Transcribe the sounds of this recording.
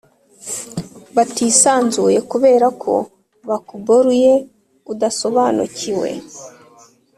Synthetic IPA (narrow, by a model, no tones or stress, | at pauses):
βatisaːnzuje̞kuβe̞ːɾakʰo̞̰ | βakuboɾuje̞ | udaso̞βaːnṵciwḛ